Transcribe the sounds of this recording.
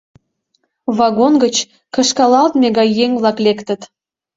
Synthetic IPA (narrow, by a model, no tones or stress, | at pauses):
βɑɣonɡət͡ɕ | kə̆ʃkɑlɑlt̪meɣɑjːeŋvlɑklekt̪ə̆t̪